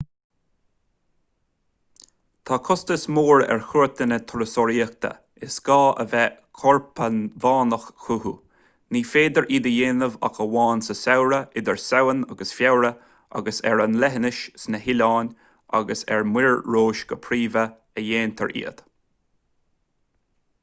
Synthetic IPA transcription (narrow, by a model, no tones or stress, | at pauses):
t̪ʰakʰʊst̪əsmoːɹɛ̰ɹxʊɹt̪ʰənət̪ʰɔɾəsɔɾiək̚t̪ʰə̰ | ɪsɡ̥ɑːʔə̰vɛkʰɔɹpʰəvaːnəxxuhu | niːfeːd̪əɹʔiːd̪əjeːnəva̰xəwɑːnsəsawɾəʔɪd̪əɹsawəna̰ɡəsfjawɾə | a̰ɡəsɛ̰ɹanlɛɦənɪʃsnəhɪlaːnʲ | a̰ɡəsɛ̰ɹmwɪɹɹoːʃɡ̥əpʰɾiːvə | əjeːnt̪ʰə̰ɹʔḭːəd̪̥